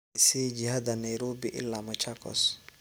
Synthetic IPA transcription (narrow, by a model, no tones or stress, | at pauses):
siːd͡ʒɪhad̪ɐnajɾoːbiʔɪ̰lːamɐt͡ʃakɔ̰s